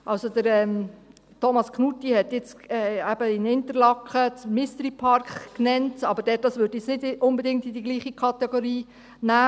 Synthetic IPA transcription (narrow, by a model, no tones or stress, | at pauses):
ʔɑlsodəɾɛm | tʰɔmɑskχnutːihɛtjɪt͡sɛæb̥əɪnɪntəɾlɑkχət͡smɪst̪ɾipʰɑɾkχknɛntɑbəɾdɛt̚dɑsʋøɾd̥iɪt͡ssnɪdʊnbədɪŋktɪdiɡliːχikʰɑtɛɡ̥oɾiː | næː